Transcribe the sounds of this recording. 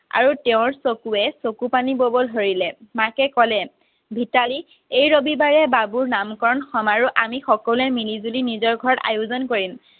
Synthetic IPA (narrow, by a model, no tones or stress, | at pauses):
a̰ɹutɛʊ̃ɹsokuɛsokupanibobɔlɦoɹilɛmakɛkɔlɛ | bʱitali | ejɹobibaɹɛbabuɹnamkɔɹɔnxɔmaɹuʔamixɔkɔluɛmilizulinizɔɹɡʱɔɹɔta̰juzɔnkoɹim